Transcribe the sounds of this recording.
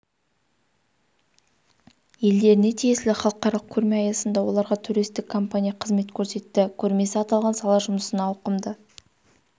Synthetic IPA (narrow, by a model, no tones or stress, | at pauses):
je̞ld̪e̞ɾɪne̞t̪ʰije̞slɪχɑlˠəqɑɾɑlˠəq̚kʲʰɵɾme̞ɑjɑsənd̪ɑwo̞lˠɑɾʁɑt̪ʰuɾijst̪ɪkʰːo̞mpanʲijɑqʰəzme̞t̪kʲʰɵɾse̞t̪ːɪkʲʰɵɾme̞sɪɑt̪ɑlˠʁɑnsɑlˠɑʒʊməsənɑːwqəmd̪ə